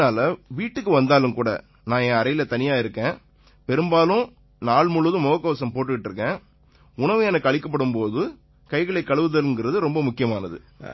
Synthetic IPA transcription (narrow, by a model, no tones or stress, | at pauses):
aːlɐʋiːʈːɯkːɯʋɐnd̪aːlɯmkuːɽɐ̰ | nãːjẽɐɾɐjɪlɐt̪ɐnɪjaːɪɾɯkːẽː | pɛɾɯmbaːlʊ̃ | naːɭmʊɭːɯðɯ̃mɔɣɐkːɐːsɐmpoːʈ̬ːɯkɪʈːɾɯkːẽː | ʊɳɐʋɯɛnɐkːɯɐɭɪkːɐp̬ːɐɽɯmpoːðɯ | kɐɪɣɐɭɐɪkːɐɭɯʋɯðɐlɯŋɡɪɾɐðɯɾɔmbɐmʊkːɪjɐmaːnɐðɯ̰